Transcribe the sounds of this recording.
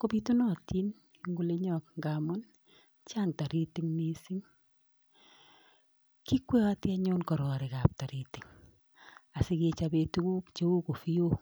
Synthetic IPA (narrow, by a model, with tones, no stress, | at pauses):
ko˦pi˦tu˦nɔ˦ti˦n | iŋɡu˨le˦ɲɔ˨k̚ŋɡa˨mɔ˦n | t͡ʃa˦ŋta˨ɾi˦ti˦ŋne˦si˦ŋ | ki˦kwɛ˦a˦tjaɲo˦nkɔ˨ɾɔ˨ɾɪ˨ka˨p̚ta˨ɾi˨ti˨ŋ | a˨sɪ˦ke˧t͡ʃabe˧tu˦ku˦kt͡ʃe˦u˦ko˨fi˦jo˦